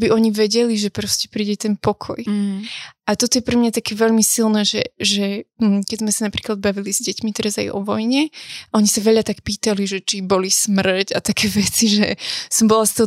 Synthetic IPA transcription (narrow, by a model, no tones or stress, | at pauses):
biʔɔɲiʋɛɟɛliʒɛpɾɔscɛ̥pɾiːɟɛt̪ɛnpɔkʰɔ̰j | ʔat̪ɔt̪ɔjɛpɾɛmɲat̪akɛːʋɛʎmisilˠnɛːʒɛʒɛm̩kɛzmɛsanapɾiːklˠad̪̚baʋilizɟɛcmit̪ɛɾaza̰jʔɔ̰ʋɔjɲɛaɔɲisaʋɛʎat̪akpiːt̪aliʒɛt͡ʃibɔlismr̩cat̪akʰɛːʋɛt͡siʒɛsɔmbɔlˠast̪ɔɦɔ